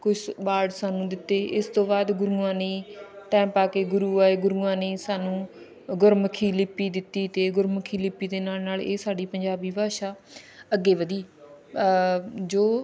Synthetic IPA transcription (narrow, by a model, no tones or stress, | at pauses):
kʊt͡ʃʰbaːɖsaːnũːd̪ɪt̪ːeːʔɪst̪õːbaːd̪ɡʊɾɡʊãːniːʈaːmpaːkeːɡʊɾuːaːeːɡʊɾɡuãːniːsaːnũː | ɡʊɾməkʰiːlɪpːiːd̪ɪt̪ːiːt̪eːɡʊɾməkʰːiːlɪpːiːd̪eːnaːlnaːleːsaːɖiːpəɲd͡ʒaːbiːbʱaːʃaːəɡːeːʋəd̪iː | d͡ʒoː